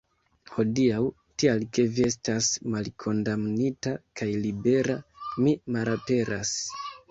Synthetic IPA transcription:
ho̞diaw | tialke̞vie̞s̬tasmalkʰo̞ndamnitakʰajlibe̞ɾamimalape̞ɾa̰s

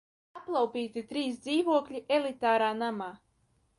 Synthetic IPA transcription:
aplˠawpʲiːt̪it̪ɾiːsd̪ziːvuɔklʲiʔelˠit̪aːɾaːnamaː

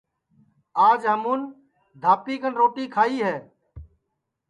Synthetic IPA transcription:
aːd͡ʒɦəmuːn | d̪ʱaːpiːkənɾoːʈiːkʰaːiːɦɛː

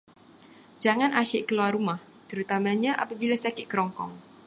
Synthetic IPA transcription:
d͡ʒaŋãnʔaʃɪʔkəluarumah | t̪əɾut̪amãɲãʔa̰pabilasakɪʔ̚kəɾɔŋkɔ̰ŋ

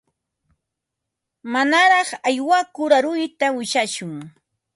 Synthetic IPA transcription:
manaɾɑχajwakʊɾaɾʊjt̪awɪʃaʃʊŋ

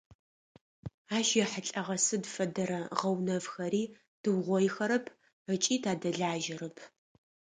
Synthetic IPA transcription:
aːʃjɛħaɬʼɐʁɐsɨdfɐdɐɾɐʁɐwnɐvxɐɾiː | d̥ɨwʁʷɔjxɐɾɐpʰ | ət͡ʃʼiːtʰaːdɐɮaːʒɪɾɐpʰ

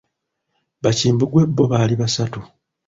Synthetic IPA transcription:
βaciːmbuɡwe̞bːo̞βaːliβasatu

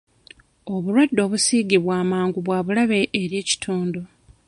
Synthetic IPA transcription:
o̞βulwadːo̞ːβusiːɡiβwaːmaːŋɡuβwaːβulaβe̞ʔːɾje̞ːci̥tʰuːndo̞

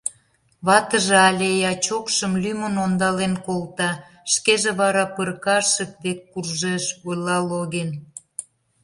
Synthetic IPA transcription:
βɑt̪əʒeɑlʲejɑt͡ɕokʃəmlymənond̪ɑlenkolt̪ɑ | ʃkeʒeβɑɾɑpərkɑʃək̚d̪ekːurʒeʃojlɑloɣen

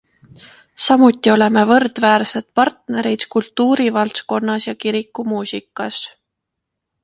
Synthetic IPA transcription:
sɑmut̪ːˑio̞le̞me̞vɤ̞rd̪̥væːɾse̞d̪̥pɑrt̪ne̞ɾid̪̥kult̪ːˑuːɾivɑlt̪ko̞nːɑsjɑkiɾikːˑumuːsikːˑɑs

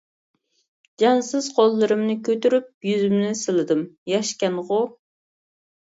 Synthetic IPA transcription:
d͡ʒɑnsɨz̥qʰolˠːɨɾɨmnɨkʲʰøt̪yɾyp̚jyzymnɪsɨlˠɨd̪ɨmjɑʃkʲɛnʁʊ

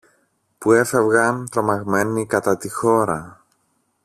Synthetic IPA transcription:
pue̞fe̞vɣɐnt̪ɾo̞mɐɣme̞nikɐt̪ɐt̪ixo̞ɾɐ

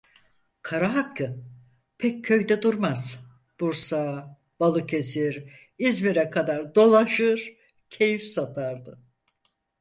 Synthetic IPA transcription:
kʰaɾaɦaklɯ | pʰɛc̚ʰːø̞jd̪ɛd̪uɾmaz̥ | b̥uɾsa | b̥alˠɯkʰe̞ziɾ | izmiɾɛkʰad̪aɾd̪o̞lˠaʃɯɾ | cʰe̞jifsat̪ʰaɾd̪ɯ

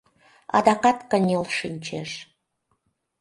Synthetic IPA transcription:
ɑ̰d̪ɑqɑt̪kə̆nʲelʃinʲt͡ɕeʃ

